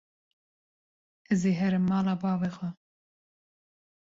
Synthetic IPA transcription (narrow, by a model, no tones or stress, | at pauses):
ɛzeːɦɛɾɨmːɑːlɑːbɑːveːxwɛ